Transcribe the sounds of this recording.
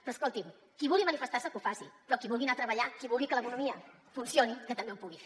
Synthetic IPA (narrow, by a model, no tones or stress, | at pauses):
pɾɔːskolˠt̪im | kiβulˠɡimənifəst̪asəkufasḭpɾɔkiβulˠɣinat̪ɾəβəʎakiβulˠɡikələkunumiə | funsionikət̪əmbeumpuɣife